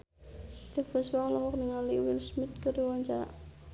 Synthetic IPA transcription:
t̪əfəswalɔɦɔk̚niŋaliwilsmit̪̚kəɾiwaɲt͡ʃaɾa̰

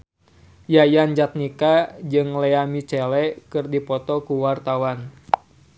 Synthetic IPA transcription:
jajand͡ʒat̪̚nikad͡ʒɨŋlɛamit͡ʃɛlɛkɨrdipɔt̪ɔkuwart̪awan

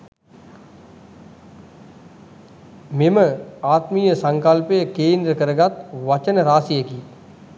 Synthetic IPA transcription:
mɪməaːt̪miːjəsɐ̃ŋkɐlpejəkeːnd̪ɾəkəɾəɡat̪ʋɐt͡ʃənəɾaːsijəkiː

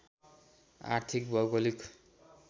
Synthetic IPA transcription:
a̰rt̪ʰik̚bʌɡolik

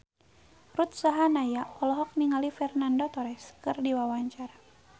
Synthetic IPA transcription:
rut̪̚saɦanajapɔlɔɦɔk̚niŋalifɛrnandot̪ɔɾɛskɨrdiwawaɲt͡ʃaɾa

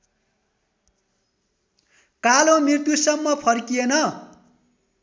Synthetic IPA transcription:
kalõmirt̪jusʌmːʌpʰʌrkijenʌ

